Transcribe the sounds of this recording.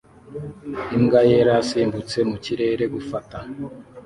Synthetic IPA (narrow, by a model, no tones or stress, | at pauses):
imɡajeɾasiːmbut͡se̞muciɾe̞ɾe̞ɡufata